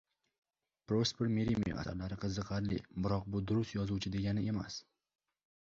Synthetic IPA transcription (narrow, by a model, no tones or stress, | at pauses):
pɾospeɾmeɾimiḭʔa̰sa̰ɾlaɾɪqʰɨzːɨqɑɾlɪ̰bɪɾɒq̚bʊd̪ʊɾʊst̪jɒzut͡ʃʰɪd̪e̞ɡʲanɪʔe̞ma̰s